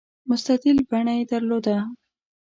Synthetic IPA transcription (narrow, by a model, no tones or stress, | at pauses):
mʊst̪aq̪ɪlbaɳajed̪əɾlod̪a